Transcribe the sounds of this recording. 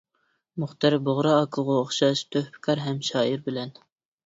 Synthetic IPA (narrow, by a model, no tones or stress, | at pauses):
mʊχt̪ɑɾboʁɾɑːkʰəʁʊoχʃɑʃt̪ʰøhpɪ̥kʰɑɾɦɛmʃɑːiɾbɪlɛn